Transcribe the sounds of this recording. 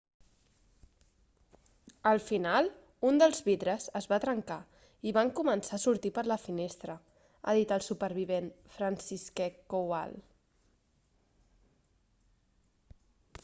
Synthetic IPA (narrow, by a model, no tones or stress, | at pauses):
əlˠfinalˠ | und̪əlˠzβiðɾəzəzβat̪ɾəŋka | iβaŋkumənsaːsuɾt̪ipəɾləfinest̪ɾə | a̰ðit̪əlˠsupəɾβ̞iβenfɾənsiskekowa̰l